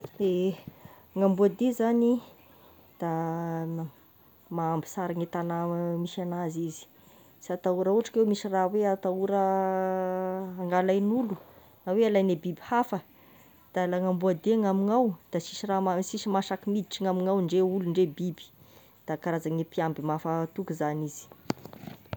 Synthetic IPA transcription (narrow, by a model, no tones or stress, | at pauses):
e | ŋambuad̪ezani | d̪̥a | maambi̥saɾaŋet̪anamiʃanazizi̥ | sat̪auɾauaʈ͡ʂḁkewmiʃiraweat̪auɾə | aŋɡalajnulu | awealajnebibihafə | d̪̥alaŋambuad̪eŋamiŋawd̪̥asiʃiramasiʃimaʃakimid̪iʈ͡ʂiŋamiŋawɳɖ͡ʐeuluɳɖ͡ʐebibi̥ | d̪̥akaɾazaŋepiambimafat̪ukuzaniz̥i̥